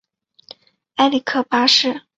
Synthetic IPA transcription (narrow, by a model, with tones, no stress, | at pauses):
a˥li˨˩kʰɤ˥˩pa˥ʂɻ̩˥˩